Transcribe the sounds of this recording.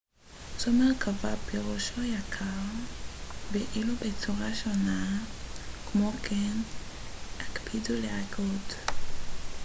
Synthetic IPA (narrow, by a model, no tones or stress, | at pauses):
zomeʁkʰavapeʁoʃojakʰaʁ | veʔilubet͡suʁaʃona | kmokʰen | akpʰiduleaɡot